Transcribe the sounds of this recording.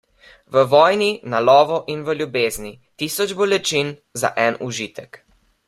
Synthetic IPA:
ʋəʋɔːjninalɔːʋɔʔinʋəljubeːznit̪isɔd͡ʒbɔlɛt͡ʃin | za̰ʔɛnuʒiːt̪ɛk

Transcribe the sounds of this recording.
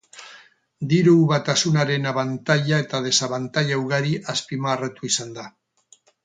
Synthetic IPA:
d̪iɾuβat̪asunaɾe̞naβant̪aʎae̞t̪aðe̞saβant̪aʎawɣaɾiʔaspimaːret̪uisand̪a

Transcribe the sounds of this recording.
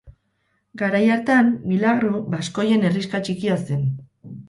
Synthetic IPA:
ɡaɾajaɾt̪amːilaɣɾubasko̞je̞ne̞riskat͡ʃikiasen

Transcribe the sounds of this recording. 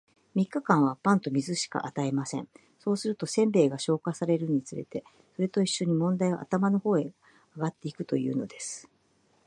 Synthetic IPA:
mʲikːakãɰ̃β̞apãnt̪o̞mʲizɨɕi̥ka̰ʔat̪aemasẽ̞̰ɴ | so̞ːsɨɾɯ̟t̪o̞sẽ̞mbe̞ːɡaɕo̞ːkasaɾe̞ɾɯ̟ɲ̟it͡sɨɾe̞̰t̪e̞ | so̞ɾe̞t̪o̞iɕːo̞ɲ̟imõ̞nd̪aiβa̰ʔa̰t̪amano̞ho̞ːe̞ | aɡat̪ːe̞ikɯ̟̥t̪o̞̰jɯ̟ːno̞d̪e̞sɨ̥

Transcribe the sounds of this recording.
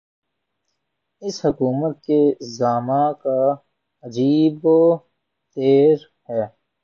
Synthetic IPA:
ɪshʊkuːmət̪̚kezaːmaka | ɐd͡ʒiːb | t̪eːɾ | hɛː

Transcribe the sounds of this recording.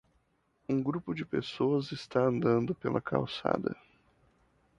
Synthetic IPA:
ũɡɾupʊd͡ʒɪpesoɐzɪst̪aɐ̃nd̪ɐ̃nd̪ʊpelɐkʰa̰wsa̰d̪ɐ̰

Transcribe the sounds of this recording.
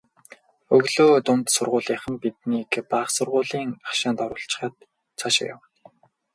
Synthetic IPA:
ɵɣɮoːt̪ʊmt̪sʊrʁʊːɮiːχə̆mpit̪niːkpaːχsʊrʁʊːɮiːŋaχʃaːnt̪ɔɾʊːɬt͡ɕɪ̥̆χəːt̪ | t͡sʰaʃɪ̰̆kja̰w̪

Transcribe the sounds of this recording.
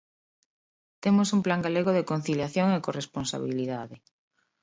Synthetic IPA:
t̪emosumplaŋɡaleɣoðekon̟θiljaθjoŋekoresponsa̰β̞iliðaðe

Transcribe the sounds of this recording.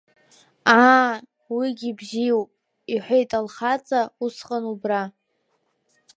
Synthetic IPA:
a | wiɡʲibʒijwpʼ | iħʷᶣejtʼalχat͡sʼausqʼanubra

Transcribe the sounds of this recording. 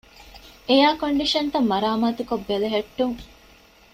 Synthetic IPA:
ejaːkoɳɖiʃɐnt̪ɐmːɐɾaːmaːt̪ukobːeleɦɐʈːuŋ

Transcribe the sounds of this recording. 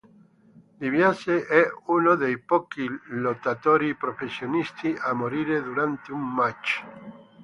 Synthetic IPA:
liβjaseʔɛunod̪ejpɔkilot̪at̪oɾipɾofesjonist̪iʔamoɾiɾed̪uɾant̪eummat͡ʃ

